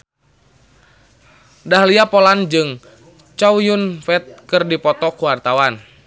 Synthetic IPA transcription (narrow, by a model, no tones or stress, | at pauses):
daɦliapɔland͡ʒɨŋ | t͡ʃawjunfɛt̪̚kɨrdipɔt̪ɔkuwart̪awan